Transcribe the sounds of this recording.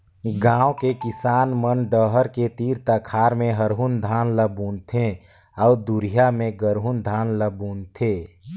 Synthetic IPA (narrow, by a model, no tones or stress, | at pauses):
ɡãːokekɪsaːnmənɖəɦəɾket̪iːɾt̪əkʰaːɾmẽɦəɾɦund̪ʱaːnləbunt̪ʰe | ɔːd̪uɾijamẽɡəɾɦund̪ʱaːnləbuːnt̪ʰe